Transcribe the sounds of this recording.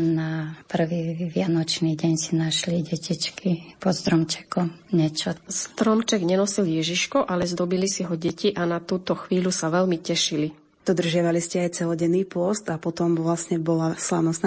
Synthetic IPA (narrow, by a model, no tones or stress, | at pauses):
napr̩ʋiːʋɪanɔt͡ʃniɟɛɲsinaʃliɟɛcit͡ʃkipɔst̪ɾɔmt͡ʃɛ̥kɔmɲɛt͡ʃɔst̪ɾɔmt͡ʃɛɡɲɛnɔsiljɛʒiʃkɔʔalɛzd̪ɔbilisiɦɔɟɛciʔanat̪uːt̪ɔxʋiːlusaʋɛlmicɛʃili | d̪̥ɔd̪r̩ʒɪaʋaliscɛajt͡sɛlɔɟɛnːiːpʊɔst̪apɔt̪ɔmʋlasɲɛbɔlasla̰ʊnɔst̪na